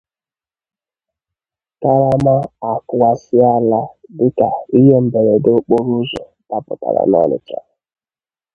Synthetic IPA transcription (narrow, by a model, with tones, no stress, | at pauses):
ka˦ɾa˦ma˦a˨kʊ˨wa˨sɪ˦a˦la˦dɪ˦ka˨i˦ɦe˦m̩˨be˨ɾe˨do˦k͡po˦ɾu˦ʒe˨ | ta˦pʊ˨ta̰˨ɾa̰˨nɔ̰˦nɪ̰˨t͡ʃa̰˦˨